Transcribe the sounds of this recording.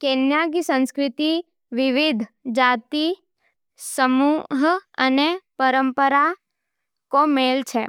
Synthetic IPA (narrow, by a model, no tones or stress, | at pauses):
kenjaɡsə̃nskɾɪt̪i | ʋiʋid̪ʱd͡ʒat̪i | səmuɦənepəɾəmpəɾa | komelt͡ʃʰe